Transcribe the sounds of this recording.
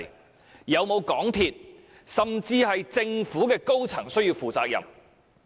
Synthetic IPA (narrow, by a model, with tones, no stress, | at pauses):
jɐ˨˧wmo˨˧wkɔː˨˥ŋt̪ʰiː˧t̚ | sɐ˨mt͡siː˧hɐ˨jt͡sɪ˧ŋfuː˨˥kɛː˧ko˥wt͡sʰɐ̰˨˩ŋsɵ˥ɥjiː˧wfuː˨t͡saː˧k̚jɐ̰˨˩m